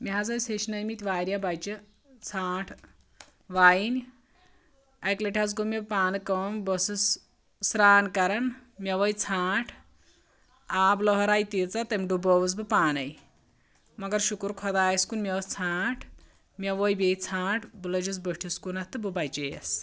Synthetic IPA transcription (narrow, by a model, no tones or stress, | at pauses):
miɦɐzɐjsʰeʃnɐjmit̪ʲʋaːɾʲjabajt͡ʃɨ | t͡sʰaːʈʰ | ʋaːjinʲ | ɐjkleʈʲʰat͡s̬ɡomʲebpaːnɨkɐmbɔsɨs | sɾaːnkɐɾɐnmʲɐʋɐjt͡sʰaːʈʰ | aːblɔɦɐɾaːjt̪it͡sat̪ɐmʲɖubɔʋɨs̬bɨpaːnɐj | mɐɡɐɾʃukuɾkʰɔd̪aːjskunmʲeʋɐst͡sʰaːʈʰ | mʲɐʋɔjbet͡sʰaːʈʰbulɐd͡ʒit͡sbəʈʰiskunɐtt̪ɨbɨbajt͡ʃejḛs